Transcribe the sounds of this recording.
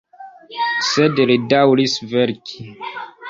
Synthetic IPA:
sedɾidawɾisveɾkʰi

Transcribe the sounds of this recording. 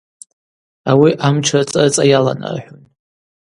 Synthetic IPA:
awiʔamt͡ʃʰat͡sʼat͡sʼajala̰na̰rħʷᶣʊn

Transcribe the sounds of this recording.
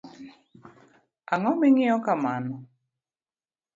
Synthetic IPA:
aŋɔmɛŋɪɔkamanɔ

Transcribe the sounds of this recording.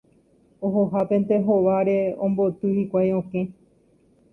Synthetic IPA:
oɦoɦapẽ̞nt̪e̞ɦoʋaɾe̞õmbo̞t̪ɨhikʷajõkẽ̞

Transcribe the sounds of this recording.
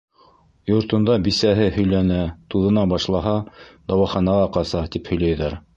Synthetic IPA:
jŏɾt̪ŏnd̪ɑbisæɦɘhɵ̆jlænæt̪uðɤ̆nɑbɑʃlˠɑɦɑd̪ɑwɑχɑnɑʁɑqɑsɑt̪iphɵ̆jlæjðæɾ

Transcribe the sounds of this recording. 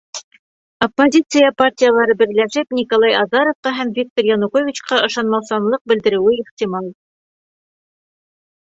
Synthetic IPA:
ɐpːozʲit̪sɨjəpartʲijəlˠɑɾɤbɘ̆ɾlæʃɘpnʲikolˠɑjɑzɑɾofqɑɦæmvʲik̚t̪orjɑnukovʲit͡ɕqɑʔɤ̆ʃɑnmɑwsɑnlˠɤq̚bɘ̆ld̪ɘ̆ɾɘ̆wɘiχt̪ʲimɑlˠ

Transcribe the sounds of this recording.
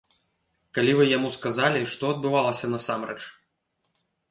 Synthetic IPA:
kalʲivɨjamuskazalʲiʂt̪ɔɐd̪̚bɨvalˠɐsʲɐnɐsamɾɛt͡ʂ

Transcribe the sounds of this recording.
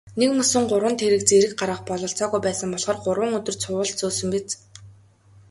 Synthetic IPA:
nekmɵsɘ̆ŋɢʊɾwə̆nt̪ʰeɾɘ̆kt͡seɾɘ̆k̚ɢaɾʁə̆χpɔɮɞ̆ɬt͡sɔːɣujpæːsə̆mpɔɮχɔːrɢʊɾwə̆ŋɵt̪ɵ̆r̥t͡sʰʊːə̆ɮt͡soːsɵ̆mpet͡s

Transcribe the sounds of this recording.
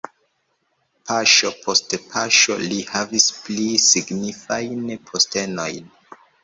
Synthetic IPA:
paʃopʰo̞stpʰaʃo̞lihavisplisiɡnifajnpʰoste̞no̞jn

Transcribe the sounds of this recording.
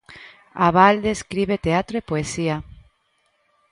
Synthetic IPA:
aβald̪eskɾiβet̪eat̪ɾoepoesia

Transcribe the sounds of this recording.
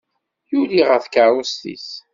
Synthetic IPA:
juliʁəθkəɾˤust̪ḭs

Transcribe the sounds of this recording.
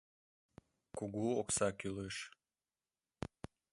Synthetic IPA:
kuɡuoksakʲylˠɯʃ

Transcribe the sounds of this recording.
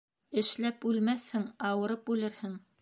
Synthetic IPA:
ɘ̆ʃlæpʉlmæθhɘŋɑwɤ̆ɾɤp̚ʉlɘɾhɘŋ

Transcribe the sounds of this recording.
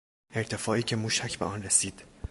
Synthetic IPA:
e̞ɾt̪ʰe̞fɒːiːcʰe̞muːʃæcʰbeʔɒːnresiːd̪̥

